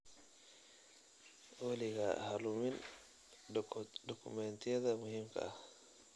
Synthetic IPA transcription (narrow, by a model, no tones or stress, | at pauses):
wɐlɪɣɐhɐlʊmɪn | dɔkʰʊ̰mɛnt̪ʰɪjɐðɐmʊhiːmkʰɐ̰ɐh